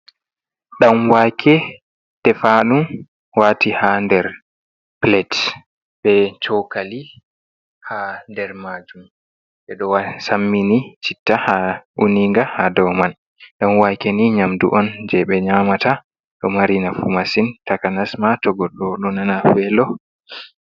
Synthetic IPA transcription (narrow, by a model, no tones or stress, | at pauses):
ɗamwakʰɛ | tɛfaɗum | waːtihandɛɾ | plɛt | ɓɛt͡ʃɔkali | handɛɾmad͡ʒum | ɓɛɗɔwasamːinit͡ʃitːahaʔuniŋɡahadɔman | ɗɔnwakɛniɲamdṵʔɔnd͡ʒɛɓɛɲamata | ɗɔmaɾinafumasintakanasmatɔɡɔɗːɔɗɔnanafɛlɔ